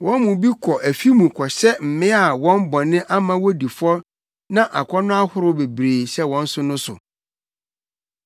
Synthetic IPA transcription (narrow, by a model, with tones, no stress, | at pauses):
wɔ̃˦nmũ˨bi˦kʰɔ˨ʔæ˨fi˦mũ˨kʰɔ˨ɕɛ˦m̩˨mɪ̃˦a˨wɔ̃˦m˦bɔ̃˨nɪ̃˦ʔa˦mã˦wɔ˦di˨fɔ˦ | nã˦ʔa˨kʷʰɔ˦nʊ̃˦a˦hʊ˦ɾʊ˦be˨bɾeː˨sɛ˦wɔ̃˦n̩˦sʊ˦nʊ̃˦sʊ̰˨